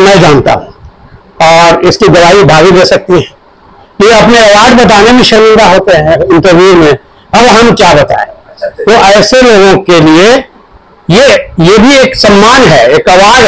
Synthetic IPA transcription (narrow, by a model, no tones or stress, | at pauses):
nɐɦĩd͡ʒaːnt̪a̰ɦũ | ɔːɾɪskid̪ɐʋaːibʱaːɡiɾesɐk̚t̪iɦɛ̃ː | kijeɐpneɐʋaːɖbɐt̪̬aːnebʱĩʃɐɾmɪ̃nd̪aɦoːt̪eɦɛ̃ʊnt̪ɐɾʋiːmẽ | ɐbɦɐmkjabɐt̪a̰ːẽt̪oʔɛːseloːɡõkelie | jejebʱieːksɐmːaːnɦɛeːkɐʋaːɖ